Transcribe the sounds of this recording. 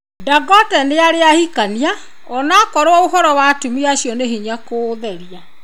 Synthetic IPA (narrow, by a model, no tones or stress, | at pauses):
daɡɔtɛneaɾeahikania | ɔnakɔɾowɔoɦɔɾɔwatumiaɕjɔneɦiɲakoːðɛɾia